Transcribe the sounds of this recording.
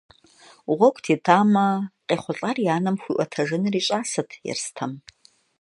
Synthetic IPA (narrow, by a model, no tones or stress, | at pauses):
ʁʷɔkʷʼtʰeːdʰaːmɐqʼeːχʷʊɬʼɐrjaːnɐmxʷiːʔʷɔtʰɐʒɨnɨriːɕʼaːsɨtʰjɛ̰rstʰɐm